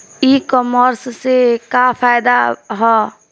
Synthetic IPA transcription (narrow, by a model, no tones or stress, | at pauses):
ikɔməɾssekapʰajd̪aɦɔ